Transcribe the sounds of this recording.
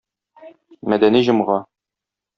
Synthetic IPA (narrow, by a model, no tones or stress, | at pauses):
mæd̪æniʑɤ̆mʁɑ